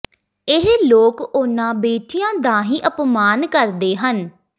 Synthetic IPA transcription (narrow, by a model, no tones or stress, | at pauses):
ɪɦloːkʊnãːbeːʈʰijãːd̪ãːɦiːʔəpmaːnkəɾd̪eːɦən